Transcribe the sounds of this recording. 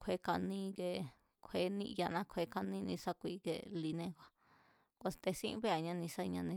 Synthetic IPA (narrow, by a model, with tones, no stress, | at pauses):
kʰʷe˧˦ka˧nĩ˦˧ke˧ | kʷʰe˧˦nĩ˧ʔja˧nã˧˦kʰe˧ka˧nĩ˦˧nḭ̃˧sa˦kʷi˧kḛ˧li˧nẽ˦˧kʷa˧ | kʷa˧st̪e˧sḭ̃˦βe˦a˨ɲã˧nĩ˧sa˦i˧ɲã˧nĩ˧